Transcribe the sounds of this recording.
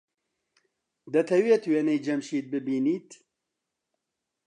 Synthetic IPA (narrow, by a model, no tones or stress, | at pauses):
d̪ɐt̪ʰɐwet̪weːnɛjd͡ʒɐmʃiːt̪̚bɨbiːniːt̪